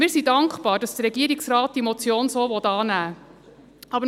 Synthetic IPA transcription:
mɪːɾsidɑŋkχpɑːɾd̥ɑsd̥əɾɛɡiəɾiksrɑːt̚d̥imɔt͡sjoːnsoːʋɔt̪ɑːnæː | ɑbə

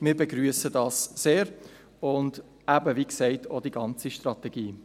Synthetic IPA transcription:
mɪːɾbeɡɾyəsədɑːsːeːɾ | ʊnd | æbəʋiːksɛɪtʰoːd̥iɡɑnt͡siʃtrɑtɛɡ̥iː

